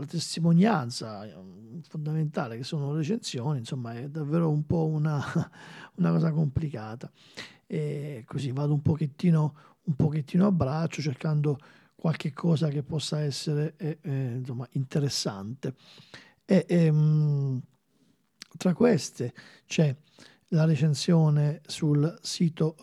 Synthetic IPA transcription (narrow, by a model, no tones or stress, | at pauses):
lat̪est̪imonjant̪sa | fond̪ament̪aːlekesːoːnoɾet͡ʃensjoːninsomːaɛd̪avːeːɾoumpɔuna | unakɔːsakomplikaːt̪a | ɛkʰosivːaːd̪oumpok̟et̪ːiːno | umpok̟et̪ːiːnoabːɾat͡ʃːot͡ʃerkand̪o | kwalk̟ekʰːɔːzak̟epːɔsːaɛsːeɾensomːaint̪eɾesːa̰nt̪e | eʔm | t̪ːɾakːwest̪e | t͡ʃɛ | laɾet͡ʃensjɔːnesulsiːt̪o